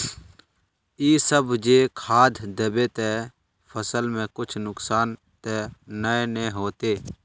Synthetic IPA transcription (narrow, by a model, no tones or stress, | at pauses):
iːsəbd͡ʒeːkʰaːd̪ʱd̪əbeːt̪ɛ | pʰəsəlmɛ̃kʊt͡ʃʰnʊksaːn | t̪ɛːnəenɛːɦoːt̪eː